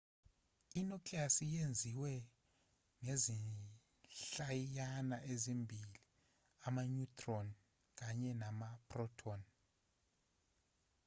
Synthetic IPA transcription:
inɔkʰʼliasijend͡zʱiwɛ | ŋezi | ɬajjanaʔezimbʱili | amaɲutʼʰrɔn | k̬aɲɛnamapʰʼrɔtʰɔn

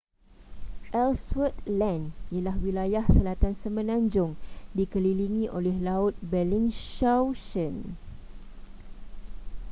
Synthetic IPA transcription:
ʔɛlswət̪̚lãnijalahwilajahsəlat̪ansəmə̃nãɲd͡ʒʊŋdikəliliŋĩʔolɛhlaʊt̪̚bɛliŋʃawʃən

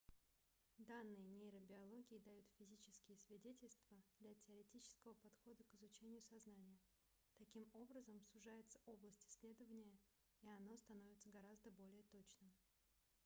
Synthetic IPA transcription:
d̪anːɨjənʲejɾəbʲɪɐlˠo̞ɡʲɪɪd̪ɐjut̪fʲɪzʲit͡ɕɪ̥skʲɪjəsvʲɪdʲetʲɪlʲst̪vəd̪̥lʲɐtʲɪəɾʲɪtʲit͡ɕɪ̥skəvəpɐt̪xo̞d̪əkɪzʊt͡ɕenʲɪjʊsɐznanʲɪjə | t̪ɐkʲimo̞bɾəzəmsʊʐajɪt̪sə̥ʔo̞blˠəsʲtʲɪ̥sʲlʲe̞d̪əvənʲɪjə | iɐno̞st̪ɐno̞vʲɪt̪səɡɐɾazd̪əbo̞lʲɪjət̪ot͡ɕnɨm

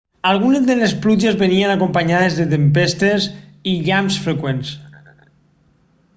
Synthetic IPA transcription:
alˠɣ̞unezðelesplud͡ʒezβenienakompaɲað̞ezðet̪̬empest̪eziʎamsfɾekwens

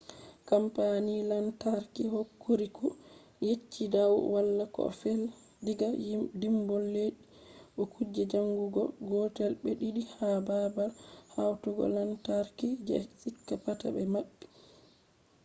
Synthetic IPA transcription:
kampanilantaɾkihokːoɾikɔ | jet͡ʃːidawwalːakɔ̰fɛl | diɡadimbɔlːeɗiɓɔkʰud͡ʒːɛd͡ʒaŋɡuɡɔ̰ɡɔtɛlbɛɗiɗihababalhawtɔɡɔ̰lantaɾkid͡ʒsʼikːapata̰bɛmaɓːɛ

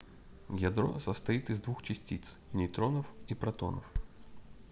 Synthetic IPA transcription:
jɐd̪ɾɔ̰zɐst̪ɐjit̪ɪzd̪ʋuxt͡ʃisʲtʲit̪snʲijt̪ɾɔnɔwipɾɐt̪ɔ̰nɔ̰w

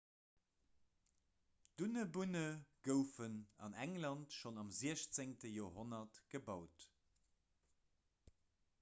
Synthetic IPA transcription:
d̥unəbunəɡ̥əʊfənɑ̰næŋlɑntʃonɑmziəɕt͡seŋtəjoːɦonɐtɡ̥əbɑʊt

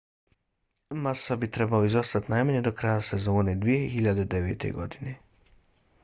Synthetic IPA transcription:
masabit̪ɾe̞baoizost̪at̪najmaɲe̞d̪o̞kɾajase̞zo̞ːned̪ʋije̞xiʎad̪ed̪e̞ʋeːt̪e̞̰ɡo̞̰d̪ine̞

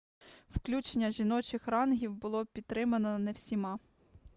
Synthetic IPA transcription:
wklʲut͡ʃenʲːɐʒʲinɔt͡ʃɪxrɑnɦʲiwbʊlˠɔpʲid̪ɾɪmɐnɔnɛwsʲimɑ

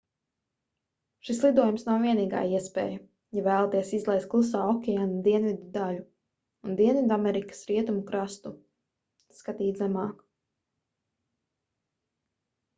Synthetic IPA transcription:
ʃislˠid̪uɔjumsnawviɛniːɡa̰ːjiɛspɛ̰ːjɐ | javæːlˠat̪iɛsizlˠɛjst̪klˠus̬aːɔkʲɛanud̪iɛnvʲid̪ud̪alu | und̪iɛnvʲid̪amɛɾikə̥sɾiɛt̪umukɾast̪u | skat̪iːt̪zɛmɑːk

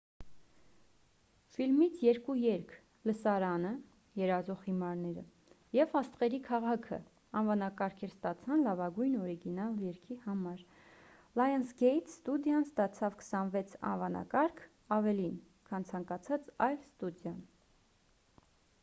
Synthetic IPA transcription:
filmit͡sʰjɛɾkujɛɾkʰ | ləsɑɾɑnə | jɛɾɑzɔχhimɑɾnɛɾə̰ | jɛvɑst̪ʁɛɾikʰɑʁɑkʰə̰ | ɑnvɑnɑkɑɾkʰɛɾst̪ɑt͡sʰɑnlɑvɑɡujnɔɾiɡinɑljɛɾkʰihɑmɑɾ | lɑjɛnsɡɛjt̪ʰst̪ud̪jɑnst̪ɑt͡sʰɑvkʰə̥sɑnvɛt͡sʰɑ̰nvɑnɑ̰kɑɾkʰ | ɑvɛlin | kʰɑnt͡sʰɑŋkɑt͡sʰɑt͡sɑjlst̪ud̪jɑn

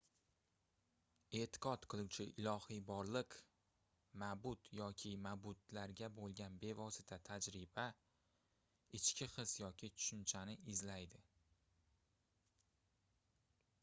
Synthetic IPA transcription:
e̞t̪ʰɪ̥qɒt̪qʰɨlˠuwt͡ʃʰɪʔɪlˠɒhibɒɾlˠɪq | mabʊt̪jɒkʲʰɪmabʊt̪laɾɡʲabolˠɡʲanbe̞vɒsɪt̪ʰat̪ʰad͡ʒɾɪba | ɪt͡ʃkʲɪχɨsjɒkʲʰɪt̪ʰʊ̥ʃʊnt͡ʃʰanɪɪzlajd̪ɪ

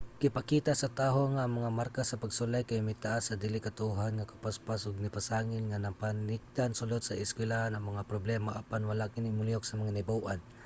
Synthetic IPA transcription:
kɪpakiːt̪asɐt̪aːɦoŋaːŋmɐŋamaɾkasɐpaɡsʊlajkajmajt̪aʔasːɐd̪ilɪkat̪auɦanŋakapaspasʊɡ̚nɪpasaːŋɪlŋanapanɪk̚t̪ansʊlod̪saɪskwɪlahanɐŋmɐŋapɾoblɛːmaʔapanwalaʔkɪnɪmʊlijok̚sɐmɐŋanɪbawʔan

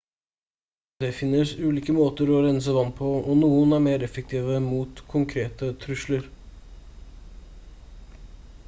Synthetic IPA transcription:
d̪̥ɛfɪnːəsʉːliːkəmoːt̪əɾɔɾɛns̬əʋɑnt̪̚pʰɔɔnuːənæɾmeːɾɛfək̚t̪ʰiːʋəmuːt̪kʰʊŋkʰɾeːt̪ət̪ʰɾʉʂləɾ

